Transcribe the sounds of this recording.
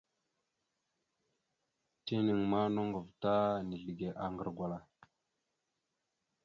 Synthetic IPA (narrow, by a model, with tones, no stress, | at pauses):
ti˦ni˨ŋma˦no˦ŋɡə˨vta˦ni˨ɮi˨ɡe˨ʔa˨ŋɡə˨ɾɡwa˨la˨